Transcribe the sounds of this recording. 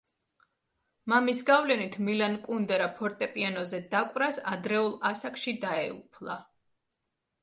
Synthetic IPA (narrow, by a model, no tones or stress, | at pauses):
mamisɡavlɛnit̪ʰmilankʼund̪ɛɾapʰɔɾt̪ʼɛpʼianɔzɛd̪akʼwvɾasad̪ɾɛulˠasakʰʼʃid̪aɛ̰ṵpʰlˠa̰